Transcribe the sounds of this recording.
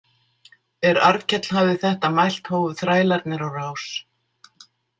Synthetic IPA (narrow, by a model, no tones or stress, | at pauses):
ɛɾa̰ɾcɛt̪l̥havðɪθɛht̪amajl̥t̪hoːwvʏθɾaːjlaɾt̪nɪɾawraːws